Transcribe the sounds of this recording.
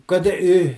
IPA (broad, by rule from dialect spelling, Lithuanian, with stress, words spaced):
ˈkɐt ɪ ɪ